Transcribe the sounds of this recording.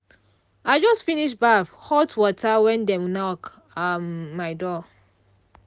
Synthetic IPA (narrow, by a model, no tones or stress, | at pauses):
aɪd͡ʒɔstfiniʃbafhɔtwɔtʰawɛ̃ndɛmnɔk | ammaɪdɔ